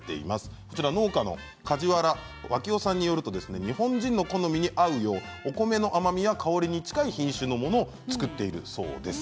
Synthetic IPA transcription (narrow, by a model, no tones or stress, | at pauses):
t̪ːe̞̰ḭmasɨ̥ko̞t͡ɕiɾaβno̞ːkano̞̰ | kad͡ʑiβaɾa | βakʲio̞sãɲ̟ːijo̞ɾɯ̟t̪o̞d̪e̞sɨne̞ɲ̟ihõ̞ɲ̟d͡ʑĩnːo̞ko̞no̞mʲiɲ̟iʔaɯ̟jo̞ːoko̞me̞no̞ʔamamʲijakʰaoɾʲiɲ̟it͡ɕi̥kaiçĩɰ̃ɕɨːno̞mo̞noː | t͡sɨ̥kɯ̟t̪ːe̞iɾɯ̟̰so̞̰ːd̪e̞sɨ̥